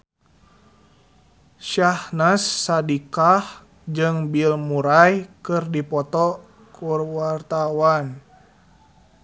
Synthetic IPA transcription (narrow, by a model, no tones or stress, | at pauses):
ʃahnasːadikah | d͡ʒɨŋbilmuɾajkɨrdipɔt̪ɔ | kurwart̪awan